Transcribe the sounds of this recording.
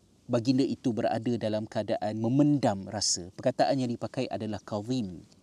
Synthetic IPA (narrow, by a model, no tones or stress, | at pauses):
baɡindaʔit̪ubəɾa̰dadalamkəadaʔanmə̃mə̃ndamrasapərkat̪aʔanjaŋdipakajʔa̰dalahkavim